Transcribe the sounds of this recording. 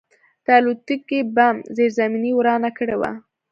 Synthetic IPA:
d̪̥əalut̪ikebamzeɾzaminiwɾɑnakəɽewa̰

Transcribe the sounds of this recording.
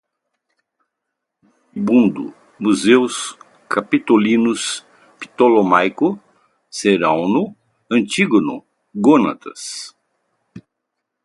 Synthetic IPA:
ibũnd̪ʊ̰ | muzews | kʰapit̪olĩnʊs | pi̥t̪olomajkʊ | seɾãwnʊ | ɐ̃nt͡ʃ̪iɡonʊ̰ | ɡonɐ̰t̪ɐ̰s

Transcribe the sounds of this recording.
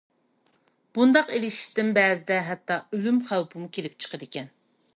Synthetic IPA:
b̥und̪ɑqelɪʃi̥ʃt̪ɪnbɛːzɪd̪ɛɦɛt̪ːɑølymχæwpʰɨmukʲʰelɪpt͡ʃʰə̥qəd̪ɪkʲʰɛn

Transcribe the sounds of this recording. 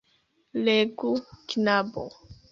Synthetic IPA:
leɡuknabo̰

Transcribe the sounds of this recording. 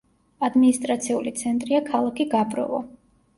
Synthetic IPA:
ad̪minist̪ʼɾat̪sʰiulit̪sʰɛnt̪ʼɾiakʰalˠakʰiɡabɾɔ̰vɔ̰

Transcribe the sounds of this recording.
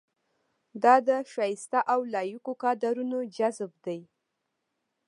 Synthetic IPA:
d̪ɑd̪əʃɑjɪst̪aʔawlɑjukokɑd̪aɾunod͡ʒazb̚d̪aj

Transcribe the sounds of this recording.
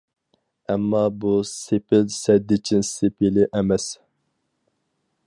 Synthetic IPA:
ɛmːɑbusepʰɪlsɛd̪ːɪt͡ʃʰinsepʰilɪʔɛmɛs

